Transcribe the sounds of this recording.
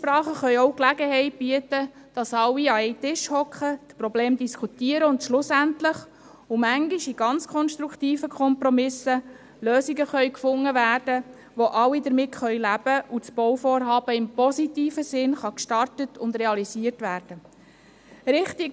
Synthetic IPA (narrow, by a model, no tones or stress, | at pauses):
ʃpɾɑːχəχœʏɔʊklæɡəɦɛɪt̚b̥iətə | d̥ɑsɑwiɑɛɪtɪʃhɔkχət̪pɾɔbleːmd̪iskʰutiəɾəʊndʃlʊsæntləχ | ʊmæŋɡɪʃiɡ̥ɑnt͡skʰɔnʃt̪ɾukʰtiːfəkʰχɔmpɾɔmɪsə | løːsiɡəχœʏkfʊŋːəvæːrd̥ə | ʋoʔɑwidəɾmɪtχœʏlæb̥əʔut͡sb̥ɔwfoːɾɦɑːb̥əɪmpɔsitiːfəsɪnχɑkʃtɑrtətʊnd̪ɾɛɑlisiərtʋæːɾd̥ə | ɾɪχt̪i